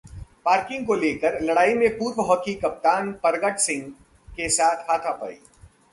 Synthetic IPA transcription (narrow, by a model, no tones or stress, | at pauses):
paːɾkɪ̃ŋɡ̚koleːkəɾlɐɽaːimẽpuːɾʋəɦɔːkʰikɐp̚t̪aːnpɐɾɡəʈsɪ̃ŋɡ | kesaːt̪ʰkʰaːt̪ʰapɐ̰ɽḭː